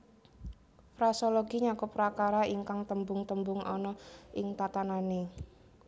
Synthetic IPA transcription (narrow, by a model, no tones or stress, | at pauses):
fɾasolɔɡiɲakʊpɾakaɾaiŋkaŋt̪əmbʊŋt̪əmbʊŋɔ̰nɔʔɪŋt̪at̪anane